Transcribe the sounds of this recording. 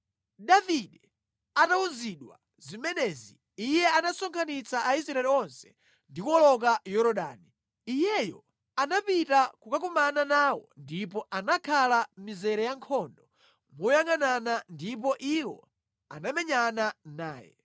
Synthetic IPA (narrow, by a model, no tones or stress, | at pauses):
ɗaviɗɛ | atauziɗwa̰ | zimɛnɛzḭː | jɛanasɔŋkʰanit͡saʔais̬ɾaɛliɔnsɛ̥ | ndikɔlɔkajɔɾɔɗa̰ːniː | jɛjɔ | anapitakukak̬umananaːwɔ̰ndipɔʔanakʰalamizɛɾɛjaŋkʰɔndɔ | mɔjaŋananandipɔʔiwɔ̰ | a̰namɛɲananaːjɛ̰